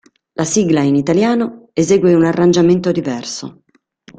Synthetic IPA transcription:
lʔasiːɡlainit̪aljaːnoezeːɡweunarːand͡ʒament̪od̪ivɛrso̰

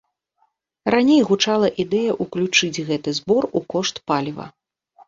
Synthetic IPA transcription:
ranʲejɣut͡ʂalˠɐʔid̪ɛjɐʔuklʲut͡ʂɨd͡zʲɣɛt̪ɨzbɔrukɔʂt̪palʲivɐ̰

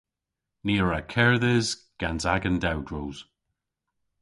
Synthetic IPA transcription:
niːəɹakʰɛɹðɪzɡ̥anzaɡəndawdɹoːz̥

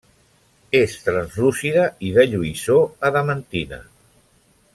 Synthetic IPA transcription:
est̪ɾənzrusiðəiðəʎuisoəðəmənt̪inə̰

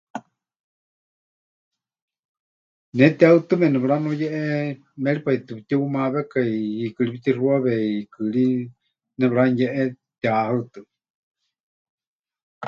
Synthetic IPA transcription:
nɛt̪iaɨt̪ɨmɛnɛβɺanojɛʔɛ | mɛɺipait̪ɨpit̪iumaβɛkaiikɨɺipit̪iruaβɛikɨɺi | nɛβɺanjɛʔɛt̪iahat̪ɨ

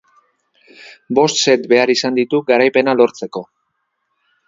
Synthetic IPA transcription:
bo̞st̪se̞t̪be̞aɾisand̪it̪uɡaɾajpe̞nalo̞ɾt͡se̞ko̞

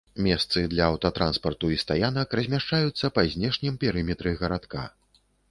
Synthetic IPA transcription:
mʲɛst̪sɨd̪lʲɐːwt̪ɐt̪ɾʔanspɐrt̪uist̪ajanɐkrɐzʲmʲaʂt͡ʂajut̪sːɐpɐzʲnʲɛʂnʲɛmpʲɛɾɨmʲɛt̪ɾɨɣɐɾat̪ka̰

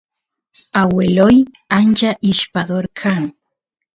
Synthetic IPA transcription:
aweloj | and͡ʒaʔiʃpaðoɾkʰaŋ

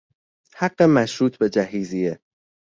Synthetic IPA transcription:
hæɢːemæʃɾuːt̪ʰbe̞d͡ʒæɦiːzije

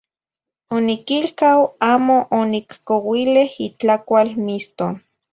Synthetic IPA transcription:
onikilkawaːmoʔonikkowilehit͡ɬakʷalmist̪o

